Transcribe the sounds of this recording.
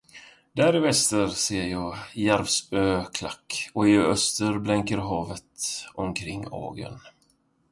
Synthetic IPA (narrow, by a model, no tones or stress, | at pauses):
d̪æːɾɪvɛst̪əɾseːjɑːjæɾvsbøːkʰla̰kːɔɪœst̪əɾblɛŋkəɾɦɑːvət̪ɔmkʰɾɪŋːɑ̰ːɡə̰n